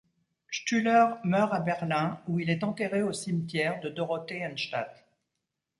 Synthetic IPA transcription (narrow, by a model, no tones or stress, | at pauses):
ʃt̪ylœʁmœʁabɛʁlɛ̃uilɛt̪ɑ̃t̪eʁeosimt̪jɛʁd̪əd̪ɔʁɔt̪eãnʃt̪a̰t̪